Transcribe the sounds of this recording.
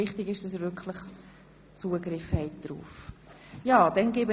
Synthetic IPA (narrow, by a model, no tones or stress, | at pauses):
ɪχtɪɡɪʃd̥ɑs̬əvʏkʰləχ | t͡suːəɡɾɪfhɛɪt̚d̥ɾṵːf | jɑːd̥ɛnɡeːbə